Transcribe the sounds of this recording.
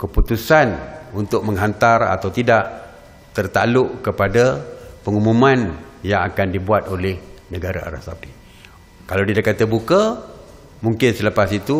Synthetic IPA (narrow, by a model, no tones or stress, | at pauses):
kəput̪usanunt̪ʊk̚məŋɦant̪ara̰t̪awt̪idaʔ | t̪ərt̪a̰lʊʔkəpadapəŋumumanjaŋakandibuat̪̚olɛhnəɡaɾa̰a̰ɾa̰sapi | kalawdidakːat̪əbuka | muŋkɪnsələpasit̪u